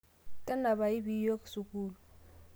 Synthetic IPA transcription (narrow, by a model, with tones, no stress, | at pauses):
kʼɛ˦na˨ba˨i˦bi˨˦jo˦kʼsu˨kʼuː˦lʊ˨